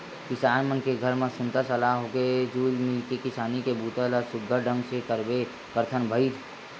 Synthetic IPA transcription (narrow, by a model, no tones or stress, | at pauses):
kɪsaːnmənkeɡʱəɾmẽsʊnt̪əsəlaɦoked͡ʒuːlmɪlkekɪsaːnikebʱuːt̪əlɔɾsʊɡʱəɾɖə̃ŋsekəɾbe | kəɾt̪ʰənbʱəit̪ʰ